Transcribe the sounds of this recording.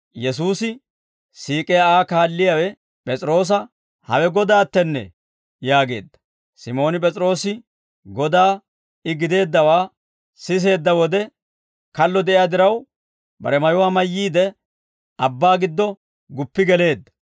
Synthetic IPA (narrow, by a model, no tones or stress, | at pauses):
jɛs̬uːsɪ | siːkʼɛjaaːkaːlːɪjawɛ | pʼɛt͡sʼɾo̞ːs̬ɐ | hɐ̰wɛɡɔd̪aːt̪ːɛnːɛ̰ | jaːɡe̞̰ːd̪ːɐ̥ | sɪmo̞ːnɪp̬ʼɛt͡sʼɾo̞ːsɪ | ɡɔd̪aː | ɪɡɪd̪e̞ːd̪ːɐwaː | sɪs̬e̞ːd̪ːɐwɔd̪ɛ | kɐlːɔd̪ɛʔɪjad̪ɪɾɐw | bɐ̰ɾɛmɐjʊwaːmɐjːiːd̪ɛ | ɐbːaːɡɪd̪ːɔ | ɡʊpːɪɡɛle̞ːd̪ːɐ̥